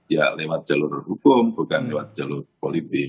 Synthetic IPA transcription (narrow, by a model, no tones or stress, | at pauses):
ja̰lewat̪̚d͡ʒ̥alʊrhukʊmbukanlewat̪̚d͡ʒ̥alʊrpolit̪ɪk